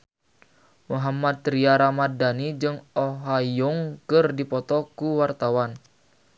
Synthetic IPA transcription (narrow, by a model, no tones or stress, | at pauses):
muɦamat̪ɾiaɾamadanid͡ʒɨŋɔɦajʊŋkɨrdipɔt̪ɔkuwart̪awan